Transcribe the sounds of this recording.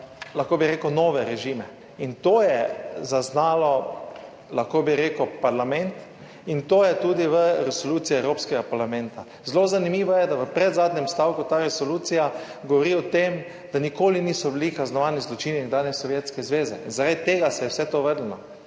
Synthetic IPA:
laxkoːbiɾeːkunɔːʋɛɾɛʒimɛ | int̪oːjɛzaznaːlɔ | laxkobiɾeːkupaɾlamɛ̃nt̪ | int̪oːjɛt̪uːd̪iʋəɾɛsɔluːt̪sijɛɛwɾoːpskɛɡapaɾlamɛnt̪a | zlozanimiːʋɔjɛd̪aʋəpɾɛd̪zaːd̪nʲɛmst̪awkʊt̪aːɾɛsɔluːt̪sija | ɡɔʋɔɾiɔt̪em | d̪̥anikoːliniːsɔbilikaznɔʋaːnizlɔt͡ʃiːninɡd̪aːnɛsɔʋjet̪skɛzʋeːzɛ̰inzaɾad̪t̪eːɡasɛjɛwsɛt̪oʋəɾd̪lənɔ̰

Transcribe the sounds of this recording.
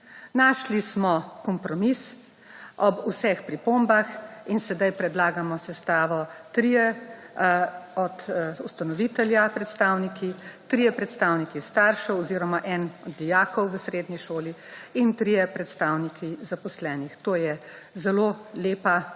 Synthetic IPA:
naːʃlismɔkɔmpɾɔmis | ʔɔbusɛxpɾipombaxinsɛd̪ajpɾɛd̪laːɡamɔsɛst̪aːʋɔt̪ɾiːjɛ | ɔd̪ust̪anɔʋit̪ɛljapɾɛt̪st̪aːwnikit̪ɾijɛpɾɛt̪st̪awnikist̪aːɾʃɛɔziːɾɔmaʔɛnɔd̪ːijaːkɔwʋəsɾeːd̪niʃoːliint̪ɾiːjɛpɾɛt̪st̪aːwnikʰizapɔslɛːnixt̪oːjɛ | zɛloːleːpa

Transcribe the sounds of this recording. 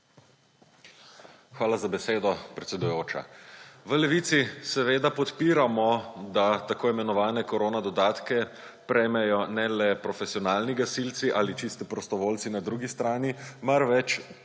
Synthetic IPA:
xʋaːlazabɛseːd̪ɔpɾɛt̪sʲɛd̪ujoːt͡ʃa̰ʋəlɛʋiːt̪sisɛʋeːd̪apɔt̪piːɾamɔd̪at̪akoːimɛnɔʋaːnɛkɔɾoːnad̪ɔd̪aːt̪kɛpɾɛjmɛjɔnɛlɛpɾɔfɛsiɔnaːlniɡasilt̪siʔalit͡ʃist̪ipɾɔst̪ɔʋoːlt̪sinad̪ɾuːɡist̪ɾaːnimaɾʋɛt͡ʃ

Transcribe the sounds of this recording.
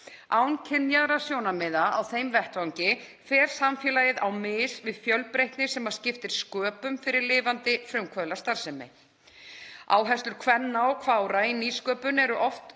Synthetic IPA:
awncʰɪnːjaðɾasjoːwnamɪðaawθejmvɛht̪vawɲcɪ | fɛːɾ̥samfjɛːlaːjɪðawmɪːsvɪðfjœlpɾejht̪nɪsɛmað̥scɪft̪ɪɾ̥skœːpʏmfɪɾɪɾlɪːvant̪ɪfɾʏmkʰvœlast̪aɾ̥sɛmɪ̰ | a̰ːwɦɛst̪ʏɾ̥kʰvɛnːaɔkʰvaːwɾainiːskœːpʏnɛɾʏʔɔft̪

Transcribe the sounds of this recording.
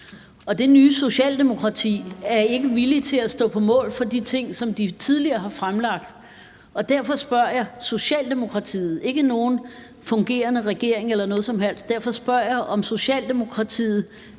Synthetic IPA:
ɒ̽d̥e̝nyːso̝ɕɛ̰ːld̥e̝mo̝kʰʁɑ̈t͡sʰḭːæɐe̝ɡ̥əʋilit͡sʰe̝læsd̥ɔ̰̽ːpʰɒ̽mɔ̰̽ːlfɒ̽d̥it͡sʰe̝ŋ̰sɒ̽md̥it͡sʰið̞ˠliɐːɦɑ̈fʁamlɑ̈ɡ̥̚d̥ | ɒ̽d̥æɐfɒ̽sb̥ɶɐ̰jɑ̈so̝ɕɛ̰ːld̥e̝mo̝kʰʁɑ̈t͡sʰḭːð̩ˠe̝ɡ̥əno̝ːn̩ | fɔ̽ŋɡ̥e̝̰ːɐnəʁɛɡ̥e̝ɐ̰e̝ŋelɐnɔ̽ːð̩ˠsɒ̽mɦel̰sd̥̚d̥æɐ̰fɒ̽sb̥ɶɐ̰jɑ̈ʔɒ̽mso̝ɕɛ̰ːld̥e̝mo̝kʰʁɑ̈t͡sʰḭːð̞̩ˠ

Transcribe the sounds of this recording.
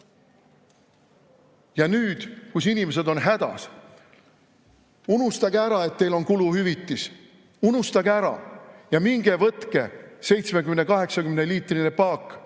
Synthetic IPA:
jɑnyːd̪̥kusinimes̬e̞d̪o̞nɦæd̪ɑ̰s | unust̪ɑɡ̥eæɾɑe̞t̪ːe̞jlo̞nkuluhyvit̪ːˑis | unust̪ɑɡ̥eæɾɑ̰jɑmiŋɡ̥e̞vɤt̪ke̞se̞jt̪smekymne̞kɑɦe̞ksɑkymneliːt̪ˑrinepɑːkˑː

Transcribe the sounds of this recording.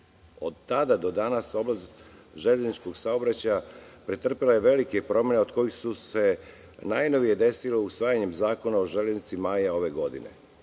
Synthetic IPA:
o̞d̪t̪ad̪ad̪o̞d̪anaso̞blazʒeʎeznit͡ʃko̞ɡsaobɾat͡ɕajapɾet̪r̩pilˠaje̞ʋe̞like̞pɾo̞mjeneo̞d̪ko̞jixsuse̞ | najno̞ʋijed̪e̞silo̞usʋaːjaɲe̞mzaːko̞nao̞ʒeʎeznit̪simajao̞ʋe̞ɡo̞d̪ḭnḛ

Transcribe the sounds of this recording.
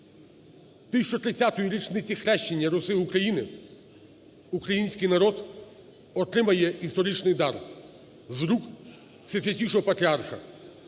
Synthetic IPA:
t̪ɪsʲt͡ʃɔt̪ɾɪt͡sʲːat̪ɔjiɾʲit͡ʃnɪt͡sʲixɾɛʃt͡ʃenʲːɐɾʊsɪukɾɐjinɪ | ukɾɐjinʲsʲkɪjnɐɾɔd̪ | ɔt̪ɾɪmɐjɛist̪ɔɾʲit͡ʃnɪjd̪ɑr | zɾuk | sʲɐsʲɐt̪ʲijʃɔɦɔpɐt̪ɾʲiarxɐ̰

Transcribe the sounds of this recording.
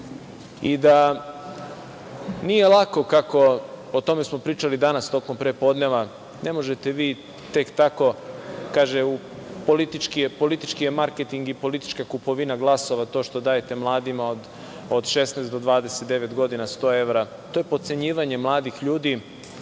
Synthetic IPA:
id̪a | nije̞lˠako̞kako̞ot̪o̞me̞smo̞pɾiːt͡ʃalid̪anast̪o̞kompɾeːpo̞d̪neʋa | ne̞mo̞ʒet̪eʋiː | t̪e̞kt̪ako̞kaːʒeu | po̞lit̪it͡ʃkiepo̞lit̪it͡ʃkijemaɾket̪iŋɡipo̞lit̪i̥t͡ʃkakupo̞ʋinaɡlˠaso̞ʋat̪o̞ːʃt̪o̞d̪aːjet̪e̞mlˠaːd̪imaod̪ | od̪ʃe̞snasd̪o̞d̪ʋaːd̪eset̪̚d̪e̞ʋet̪ɡo̞d̪inast̪o̞ːe̞ʋɾa | t̪o̞je̞pot̪se̞ɲiːʋaɲemlˠaːd̪ixʎuːd̪i

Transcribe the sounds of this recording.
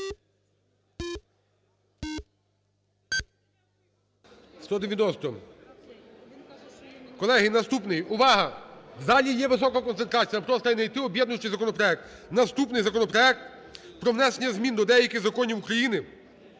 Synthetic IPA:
st̪ɔd̪eʋjɐnɔst̪ɔ | kɔlˠɛɦɪnɐst̪upnɪjʊʋɑɦɐzɑlʲijɛʋɪsɔkɐkɔnent̪ɾɑt͡sʲijɐpɾɔst̪ɐinɐjt̪ɪɔbʲjɛd̪nʊjt͡ʃɪjzɐkɔnɔpɾɔɛk̚t̪ | nɐst̪upnɪjzɐkɔnɔpɾɔɛk̚t̪ | pɾɔʋnɛsenʲːɐzmʲind̪ɔd̪ɛjɐkɪɣzɐkɔnʲiwukɾɐjinɪ

